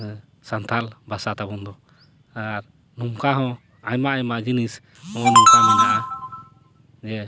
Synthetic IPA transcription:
sant̪ʰalbasat̪abɔnd̪ɔ | aɾ | numkaɦɔ̃ | ajmaʔajmad͡ʒinis | ɔ̃numkamɛnaʔa | d͡ʒɛ

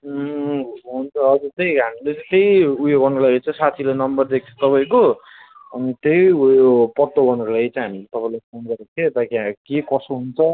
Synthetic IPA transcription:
ɦunt͡sʰʌːd͡zut̪ejɦamilet͡sʌ̃j̃t̪ejujoɡʌnrolajt͡sʌ̃ĩsat̪ʰilanʌmbʌrd̪ek̚ʰt͡sʰʌ̥t̪ʌpaj̃ko | ʌnit̪ejujopʌt̪obʌnrolaɡt͡sʌĩɦamilet̪ʌpãĩlapʰonɡʌɾek̪ʰet̪akiakekʌsoɦunt͡sʰʌ

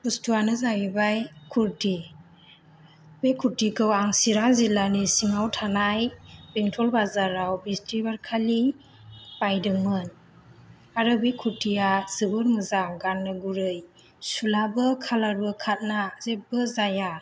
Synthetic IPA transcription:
pustuwanɯzaɡibajkʰuɾti | bekʰuɾtikʰɯwaŋsiɾazilanisiŋawtʰanajbeŋtʰɔlbazaɾawbistɾibaɾkʰali | pajdɯŋmɯn | aɾɯbejkʰuɾtijazɯbɯɾmɯzaɡanːɯɡuɾɯj | sulabɯkʰalaɾbɯkʰat̚nazep̚bɯzaja

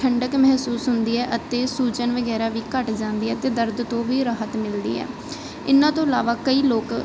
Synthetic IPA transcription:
ʈʰəɳɖəkmɛɦsuːsɦʊnd̪iːɛːʔət̪eːsuːt͡ʃənʋəɡɛːɾaːʋiːkəʈd͡ʒãːnd̪iːɛːt̪eːd̪əɾd̪t̪õːʋiːɾaːɦət̪mɪld̪ḭːɛ̰ː | ɪ̰nãːt̪õːəlaːʋaːkəiːloːk

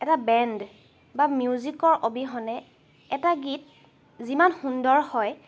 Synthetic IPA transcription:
ɛtabɛnd | bamjuzikɔɹʔobiɦɔnɛ | ɛtaɡit̚ | zimanxundɔɹhɔj

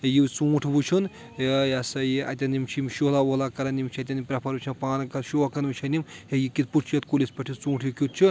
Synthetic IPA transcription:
jiwt͡suːʈʰbut͡ʃʰun | jasɐjiɐ̰t̪ʲɐnimt͡ʃʰimʃolawolakɐɾɐnimt͡ʃʰɐt̪ʲɐnimpɾɐpʰɐɾbut͡ʃʰɐnpaːnɐkɐɾʃoɐkɐnmɨt͡ʃʰɐnimjɐjikit̪̚puʈt͡ʃʰijɐt̪kulʲispɐʈʰit͡sũːʈʰjikʲut̪̚t͡ʃʰu

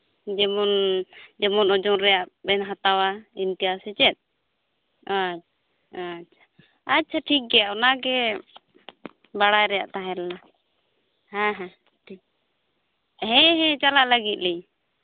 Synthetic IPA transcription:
d͡ʒɛmɔnd͡ʒɛmɔnɔd͡ʒɔŋɾɛjaʔbɛnɦat̪awaint̪ijasɛt͡ʃɛt̪̚ˀ | a | att͡ʃʰḁ | atːt͡ʃʰaʈʰik̚ɡɛjaʔɔnaɡɛ | baɽajɾɛja̰ʔt̪aɦɛlna | hãɦã | ʈʰi | ɦɛ̃ɦɛ̃t͡ʃalaʔləɡit̪̚lij

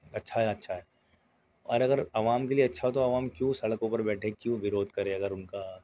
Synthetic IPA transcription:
ɐtːʃʰaɦɛɐtːʃʰaɦɛː | ɔ̰ːɾɐɡəɾɐʋaːmkelieɐtːʃʰaɦot̪̬oɐʋaːmkjũːsɐɽəkopəɾbɛːʈʰekjũʋɪɾoːd̪ʱkɐɾẽɐɡəɾʊnka

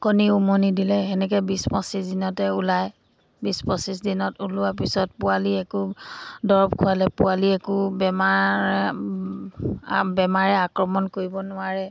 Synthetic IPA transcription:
koniumonidilɛɦɛnɛk̬ɛbispɔ̃sisdinɔtɛulaj | bispɔ̃sis̬dinɔtulʊwap̬isɔt̚pʊaliɛkʊdɔɹɔbkʰʊalɛpʊaliɛkʊbɛma | bɛmaɹɛakɹɔmɔnkoɹibɔnʊwaɹɛ

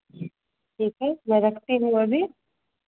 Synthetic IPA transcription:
ʈʰiːkɦɛmɛ̃ɾɐkʰt̪iɦũɐbʱi

